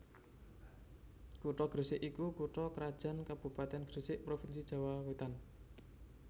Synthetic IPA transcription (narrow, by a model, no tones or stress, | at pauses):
kuʈɔɡ̥ɾəsɪʔikukuʈɔkəɾad̥ʒ̥a̤nkab̥ṳpat̪ɛnɡ̥ɾəsɪʔpɾofinsid̥ʒ̥a̤wawet̪an